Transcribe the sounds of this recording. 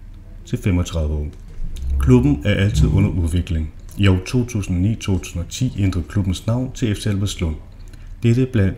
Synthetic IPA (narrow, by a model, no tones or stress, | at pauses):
t͡sʰe̝femɒ̽t͡sʰʁɑ̈ðˠʋəɒ̰ː | kʰlub̥n̩æɐʔæl̰t͡sʰið̞ˠɔ̽n̰ɐʔuðˠʋe̝ɡ̥le̝ŋ | jɒʊt͡sʰo̝̰ːt͡sʰṵːsn̩ɒ̽nḭːt͡sʰo̝̰ːt͡sʰu̥̰ːsn̩ɒ̽t͡sʰḭːend̥ʁɐð̩ˠkʰlub̥n̩snɑ̈ʊ̰nt͡sʰe̝efselʋəslɔ̽n̰ | d̥eɾəb̥læn̰d̥